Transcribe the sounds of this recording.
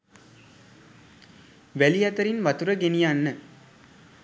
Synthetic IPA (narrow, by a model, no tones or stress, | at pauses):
ʋælijat̪əɾinʋat̪uɾəɡenijanːə